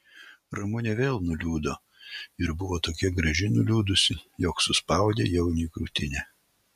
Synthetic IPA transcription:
ɾɐmʊnʲɛʋʲeːlˠnʊlʲuːd̪oː | ɪɾbʊʋoːt̪oːkʲiɛɡɾɐʒʲɪnʊlʲuːd̪ʊsʲɪjɔksʊspɐˑʊd̪ʲḛːjɛʊnʲiːkɾuːt̪ʲɪnʲɛ

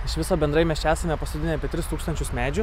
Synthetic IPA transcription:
ɪʃʋʲɪsoːbʲɛnd̪ɾɐɪmʲɛst͡ʃʲæːsɐmʲɛpɐskʊd̪ʲɪnʲeɐpʲeɛt̪ʲɾʲɪst̪uːkst̪ɐnʲt͡ʃʲʊsmʲæːd͡ʒʲʊ

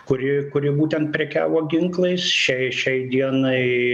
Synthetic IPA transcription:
kʊɾʲɪkʊɾʲɪbuːt̪ʲɛnt̪̚pʲɾʲɛkʲæ̰ːʋoːɡʲɪŋklˠɐɪsʃʲɛɪʃʲɛɪd̪ʲiɛnɐɪ

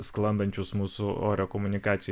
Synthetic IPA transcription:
sklˠɐnd̪ɐnʲt͡ʃʲʊsmuːsʊo̰ːɾʲɛkomʊnʲɪkɑːt̪sʲɪj

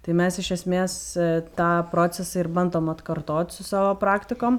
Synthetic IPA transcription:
t̪ɐɪmʲɛsɪʃʲɛsʲmʲeːst̪ɑːpɾoːt͡ssʲɛsɐɪrbɐnd̪oːmɐt̪kɐɾt̪oːt̪ʲsʊsɑːʋoːpɾɑːkt̪ʲɪkoːm

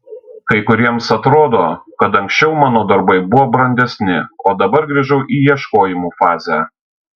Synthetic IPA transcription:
kɐɪkʊɾʲiɛmsɐt̪ɾoːd̪oːkɐt̪ɐ̃ŋʲksʲt͡ʃʲɛʊmɑːnoːd̪ɐɾbɐɪbʊʋoːbɾɐnʲd̪ʲɛsʲnʲɪoːd̪ɐbɐɾɡɾʲiʒɐʊʔiːjiɛʃkoːjɪmuːfɑːzʲæ

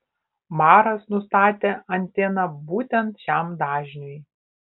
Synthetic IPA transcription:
mɑːɾɐsnʊst̪ɑːt̪ʲeːɐnʲˑt̪ʲeːnɐbuːt̪ʲɛnt̪ʃʲæmd̪ɑːʒʲnʲoj

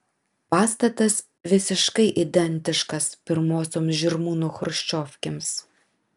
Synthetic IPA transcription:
pɑːst̪ɐt̪ɐs | ʋʲɪsʲɪʃkɐɪʔɪd̪ʲɛnʲt̪ʲɪʃkɐspʲɪɾmoːsʲoːmsʒʲɪɾmuːnʊxʊɾʃʲt͡ʃʲɔːfʲkʲeːms

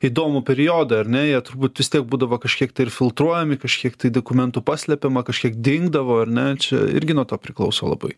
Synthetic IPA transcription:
iːd̪oːmʊpʲɛɾʲɪjoːd̪ɐɐɾʲnʲɛjiɛt̪ʊɾbuːt̪ʋʲɪst̪ʲiɛk̚buːd̪ɐʋoːkɐʃʲkʲiɛkt̪ɐɪɪɾfʲɪlˠt̪ɾuɔjɛmʲɪkɐʃʲkʲiɛkt̪ɐɪd̪oːkʊmʲɛnt̪uːpɑːsʲlʲɛpʲemɐkɐʃʲkʲiɛkd̪ʲɪŋɡd̪ɐʋoːɐɾʲnʲɛt͡ʃʲɛ̰ɪ̰ɾʲɡʲɪnuɔt̪oːpʲɾʲɪklˠɐʊsoːlˠɐ̰bɐ̰ɪ

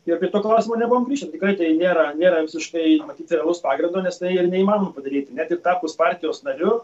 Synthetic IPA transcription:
ɪpʲiɛt̪oːklˠɐʊsʲɪmoːnʲɛbʊʋoːmɡɾʲiːʃʲt̪ʲɛt̪ʲɪkɾɐɪt̪ɐɪnʲeːɾɐnʲeːɾɐʋʲɪsʲɪʃkɐɪmɐt̪ʲiːt̪ɾʲɛɐlˠʊspɑːɡɾʲɪnd̪oːnʲɛst̪ɐɪɪrnʲɛiːmɑːnomɐpɐd̪ɐɾʲiːt̪nʲɛt̪ɪrt̪ɑːpʊspɑːɾʲt̪ʲɪjoːsnɐɾʲʊ

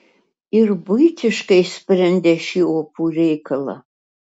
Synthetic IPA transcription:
ɪrbʊjt̪ʲʰɪʃkɐɪspʲrʲɛnʲd̪ʲɛʃiːopʰuːrʲɛjkʰɐlˠɐ̰

